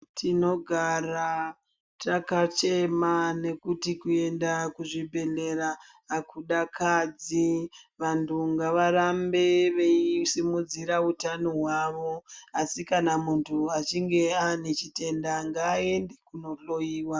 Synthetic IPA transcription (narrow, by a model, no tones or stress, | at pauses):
tʰino̞ɡʱara | takat͡ʃe̞mane̞kutikue̞ndakuʐibʱe̞ɮe̞ɾaː | kʰuɗakʰad͡ziʋantʰuŋɡaʋaɾambe̞ʋe̞isimud͡ziɾautanoɦwaʋo̞asikanamuntʰuat͡ʃiŋɡe̞anet͡ʃite̞ndaŋɡaːe̞nde̞kuno̞ɬo̞iːwa